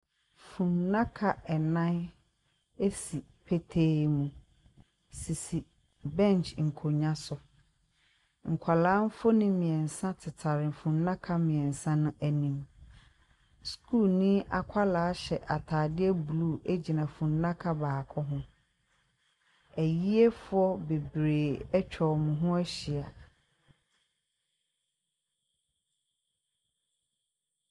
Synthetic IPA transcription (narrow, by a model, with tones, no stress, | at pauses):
fũ˨nnã˦kʰa˨ɛ˨nã˦n | e˦si˨ | pʰe˦tʰe˦mũ˦˨ | si˨si˨ | bɛ̃˦˨n˨t͡ʃŋ̩˨kʰo˨ɲã˦sʊ˨ | ŋ̩˨kʷʰa˨lãː˨˦m˦fo˦nɪ̃˦mɪ̃˨ɛ̃˨n˨sã˦tʰɪ˨tʰa˨ɾɪ̃˨fũ˨n˦nã˦kʰa˦mɪ̃˨ɛ̃˨n˨sã˦nʊ̃˦ʔæ˨nĩ˦m | skʰuː˦˨lnĩ˦a˨kʷʰa˦laː˨˦ɕɛ˨ʔa˨tʰaː˨dɪ˦ɛ˦bu˨lu˦æ˦d͡ʑi˨nã˨fũ˨n˦nã˦kʰa˦baː˨kʰɔ˦ɦʊ̃˦ | æ˨ji˦e˦fʊ˦ɔ˦be˨bɾeː˨ɛ˦t͡ɕᶣʰɔ˨mʊ̃˨ɦʊ̃˦æ˦ɕi˨a˨